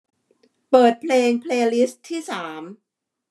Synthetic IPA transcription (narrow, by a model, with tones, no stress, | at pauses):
pɤː˨˩t̪̚pʰleː˧ŋpʰleː˧li˦˥st̪ʰːiː˥˩saː˩˦m